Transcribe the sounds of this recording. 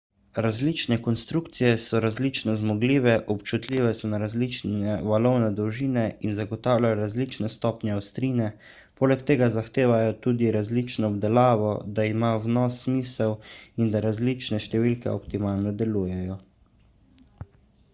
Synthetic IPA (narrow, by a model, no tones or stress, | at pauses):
ɾazliːt͡ʃnɛkɔnst̪ɾukt̪sijɛsɔɾazlit͡ʃnɔzmɔɡliːʋɛʔɔpt͡ʃut̪lʲiːʋɛsɔnaɾazlit͡ʃnɛʋalɔwnɛd̪ɔwʒiːnɛinzaɡɔt̪aːwlʲajɔɾazlit͡ʃnɛst̪ɔːpnjɛːwst̪ɾiːnɛ | poːlɛkt̪eːɡazaxt̪eːʋajɔt̪ud̪iɾazlit͡ʃnɔːbd̪ɛlaːʋɔd̪aimawnɔsːmiːsɛwind̪aɾazlit͡ʃnɛʃt̪ɛʋilkɛ̰ɔpt̪imaːlnɔd̪ɛluːjɛjɔ